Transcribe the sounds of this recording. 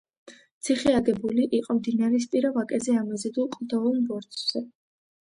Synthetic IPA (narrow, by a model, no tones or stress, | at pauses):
t̪sʰiχiaɡɛbuliʔiqʼɔmd̪inaɾɛspʼiɾavakʼɛzɛamɛzɛd̪ulˠqʼd̪ɔɔlˠbɔɾt̪ʼz̥ɛ